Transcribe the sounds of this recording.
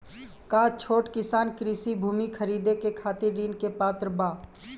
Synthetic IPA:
kaːt͡ʃʰoːʈkɪsaːnkɾisibʱuːmikʰəɾiːd̪ekekʰaːt̪ɪɾːiːnkepaːt̪ɾəbaː

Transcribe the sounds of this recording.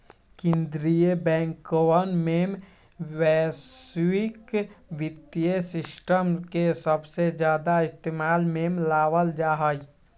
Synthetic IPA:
kɪ̃nd̪ɾijebɛ̃ːŋkowənmem | wɛswikwɪt̪jesɪsʈəmkesəbsed͡ʒjaːd̪aɪst̪emaːlmemlaːwəld͡ʒaːɦəj

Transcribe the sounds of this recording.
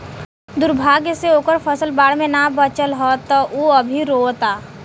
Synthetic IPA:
d̪ʊɾbʱaːɡseoːkəɾpʰəsəlbaːɽmẽnabət͡ʃəlɦɔt̪ɔʔuɐbʱiɾoːt̪aː

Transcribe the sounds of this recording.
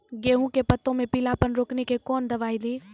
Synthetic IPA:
ɡeːɦũkepɐt̪ːõmẽpiːlaːpənɾoːknekekɔːnd̪ɐʋaːid̪ĩː

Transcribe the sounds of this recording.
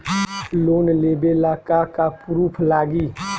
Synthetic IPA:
loːnleːbelaːkakapɾuːpʰlaːɡiː

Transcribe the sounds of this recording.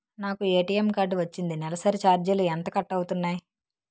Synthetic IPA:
naːkue̞ːʈiːemkaːɖʋɐt͡ʃːind̪inɛlɐsɐɾit͡ʃaːɾd͡ʒɐluɛnt̪ɐkɐʈːɐwut̪unːaːji

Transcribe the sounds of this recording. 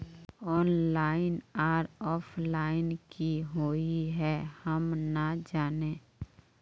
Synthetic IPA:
ɔːnlaːɪnaːɾɔːpʰlaːɪnkiɦoːiɦɛhəmnad͡ʒaːneː

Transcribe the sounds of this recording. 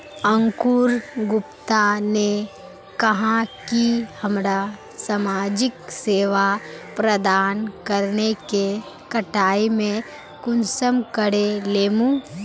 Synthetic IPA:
ə̃ŋkuːɾɡʊpt̪ane | kɐɦãkihəmɾa | samaːd͡ʒɪkseːʋapɾəd̪aːnkəɾneke | kəʈaːimẽ | kʊnsəmkəɽeleːmũ

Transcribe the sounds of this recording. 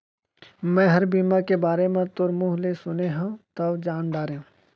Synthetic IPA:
mɛ̃ːɦɐɾbiːmakebaːɾemẽt̪ʊɾmuːɦlesʊneɦãt̪ɐʋd͡ʒaːnɖaːɾeũ

